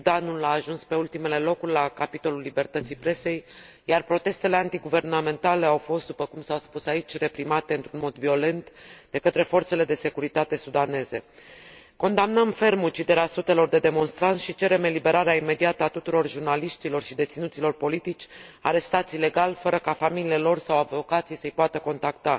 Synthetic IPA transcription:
sud̪anulaːʒunspe̞ult̪ime̞le̞lo̞kurʲlakapit̪o̞lulːibe̞rt̪ət̪sijpɾe̞se̞j | jarpɾo̞t̪e̞st̪e̞le̞ant̪iɡuve̞rname̞nt̪ale̞awfo̞st̪̚d̪upəkumsawspusait͡ʃʲre̞pɾimat̪e̞ɨnt̪ɾunmo̞d̪vio̞le̞nt̪d̪e̞kət̪ɾe̞fo̞rt̪se̞le̞d̪e̞se̞kuɾit̪at̪e̞sud̪ane̞ze̞̰ | ko̞nd̪amnəmfe̞rmut͡ʃid̪e̞ɾeasut̪e̞lo̞rd̪e̞d̪e̞mo̞nst̪ɾant̪ʃit͡ʃe̞ɾe̞me̞libe̞ɾaɾeaime̞d̪iat̪əat̪ut̪uɾo̞rʒurnaliʃt̪ilo̞rʃid̪et̪sinut̪silo̞rpo̞lit̪it͡ʃʲaɾe̞st̪at̪sile̞ɡalfəɾəkafamilielo̞rsawavo̞kat̪sijsəjpoat̪əko̞nt̪akt̪a

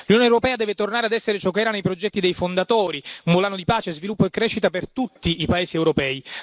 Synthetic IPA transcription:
lunjoːnewɾopɛːad̪ɛːvet̪ornaːɾead̪ɛsːeɾet͡ʃɔkːeɛːɾanejpɾod͡ʒɛt̪ːid̪ejfond̪at̪oːɾiumbolaːnod̪ipaːt͡ʃezvilupːoekːɾɛːʃːit̪apert̪ut̪ːiʔːpaeːsiɛwɾopɛːi

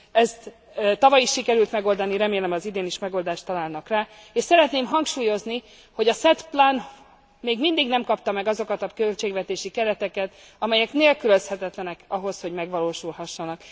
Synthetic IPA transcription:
ɛst̪ | t̪ɒvɒjiʃːikɛɾylt̪mɛɡo̞ld̪ɒniɾɛmeːlɛmɒzid̪eːniʃmɛɡo̞ld̪aːʃt̪ːɒlaːlnɒkraː | eːʃsɛɾɛt̪neːmɦɒŋkʃuːjo̞zni | ho̞ɟɒsɛt̪plan | meːɡmind̪iɡnɛmkɒp̚t̪ɒmɛɡɒzo̞kɒt̪ɒkølt͡ʃeːɡʋɛt̪eːʃikɛɾɛt̪ɛkɛt̪ | ɒmɛjɛkneːlkyløshɛt̪ɛt̪lɛnɛkɒɦo̞sho̞ɟmɛɡʋɒloːʃulɦɒʃːɒnɒk

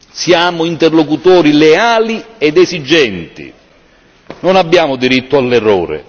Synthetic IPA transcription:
sjaːmʊint̪ɛrlokut̪ɔːɾileaːliɛd̪ɛzid͡ʒːɛnt̪ḭ | nonabːjaːmʊd̪iɾit̪ːʊalːɛrːɔ̰ːɾɪ̰

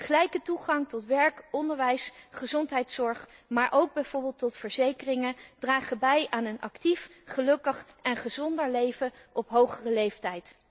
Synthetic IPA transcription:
χəlɛjkətuχɑŋtɔtʋɛɹkɔndəɹʋɛjsχəzɔntɦɛjtsɔɹχmaːɹʔowɡ̚bɛjv̥oːɹbɪːlˠtɔtfəɹzejkərɪŋəd̥raːχəbɛjʔaːnənʔɑ̰ktifχəlɵkəχɛnχəzɔndəɹlejvəʔɔpɦowχərəlejftɛjt

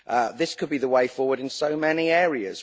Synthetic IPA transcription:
ʔəðɪskʰəd̚biðəweɪfɔːwəɾɪ̃nsəʊmɛniɛːɹiə̰z̥

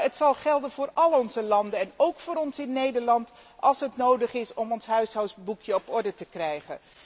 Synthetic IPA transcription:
ətsɑlˠχɛlˠdənvʊːrɑlˠɔnzəlɑndəɛnowkfʊːɾɔnsɪnːejdəɹlɑnt | ɑlˠsɦətnowdəχɪsɔmɔnsɦœɥsɦœwsbukjəɔpɔɹdətəkrɛjχə̰n

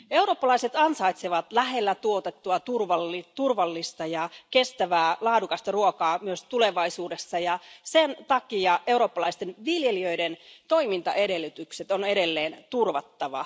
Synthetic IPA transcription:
euwɾoːpːɑlɑiset̪ɑnsɑit̪seʋɑt̪læɦe̞lːæt̪uot̪et̪ːuɑt̪urʋɑlːit̪urʋɑlːist̪ɑjɑke̞st̪æʋæːlɑːdukɑst̪ɑruokɑːmyøst̪ule̞ʋɑisuːde̞sːɑjɑsent̪ɑkiɑe̞uɾo̞ːpːɑlɑist̪enʋiljeliø̞ident̪o̞imint̪ɑ̰ʔeɾe̞lːyt̪ykset̪o̞ne̞ɾe̞lːe̞ːnt̪urʋɑt̪ːɑʋɑ̰

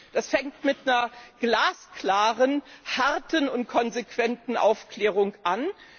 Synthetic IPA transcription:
d̥asfɛŋk̚tmɪtnɐɡ̥laːskl̥aːʁənhaʁtənʊntkʰɔnzekv̥ɛntn̩ʔa̰ʊfkl̥ɛːʁ̞ʊŋʔan

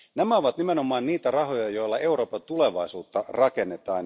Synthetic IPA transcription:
næmæoʋɑt̪nimeno̞mɑːnniːt̪ærɑho̞jɑjo̞ilːɑe̞uɾo̞ːpɑt̪ule̞ʋɑisṵːt̪ːɑrɑke̞nːet̪ɑːn

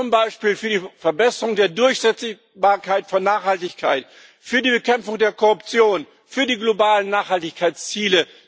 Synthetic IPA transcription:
ʊmbaɪʃpiːlfyːɐdiːfɛɐbɛsəʁʊŋdeːɐdʊɐçz̥ɛt͡s | baːɐkʰaɪtfɔnːaːχhaltɪçkʰaɪt | fyːɐdiːbəkʰɛmfʊŋdeːɐkʰɔʁʊpt͡sjoːn | fyːɐdiːɡlobaːlənːaːχhaltɪçkʰaɪt͡st͡siːlə

